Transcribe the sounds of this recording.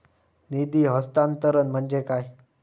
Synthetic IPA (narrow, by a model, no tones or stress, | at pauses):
nid̪iːɦəst̪ant̪əɾənm̤əɳd͡ʑekaj